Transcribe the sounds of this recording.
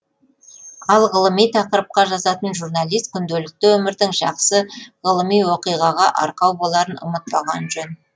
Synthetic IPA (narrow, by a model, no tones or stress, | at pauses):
ɑlˠʁəlˠəmijt̪ʰɑqəɾəp̚qɑʒɑzɑt̪ənʒuɾnalˠijst̪̚kʲʰʏnd̪elɪk̚t̪ɪwɵmɪɾd̪ɪŋʒɑ̰qsəʁəlˠəmijwo̞qijʁɑʁɑʔɑ̰ɾqɑwbo̞lˠɑɾənʊ̰mət̪̚pɑʁɑ̰nʒɵn